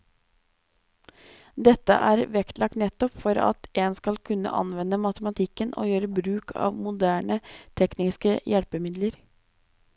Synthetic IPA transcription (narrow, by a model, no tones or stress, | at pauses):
d̪ɛt̪ːə̰ʔæːɾʋɛkt̪lɑk̚t̪nɛt̪ːɔpfɔɾɑ̰t̪ʔeːnskɑlkʰʉnːə̰ʔɑ̰nʋɛnːəmɑt̪əmɑt̪ʰɪkːənʔo̰ːjøːɾəbɾʉːkʰɑ̰ːʋmʊd̪æːɳət̪ʰɛknɪskəjɛlpəmɪd̪ləɾ